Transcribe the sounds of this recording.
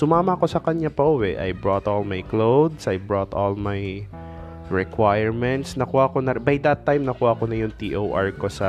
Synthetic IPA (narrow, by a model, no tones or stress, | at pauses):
sʊmaːmɐko̞sɐkɐɲapɐʔʊwɛʔɐ̰jbɾot̪ʔolmajklowd̪sʔɐjbɹot̪olmaj | ɹɛkwajɛɹmɛnt̪snɐkuhaʔkonɐbajd̪ɐt̪ːajmnɐkuːhaɐko̞nɐjʊŋt̪iʔowʔaɹko̞sɐ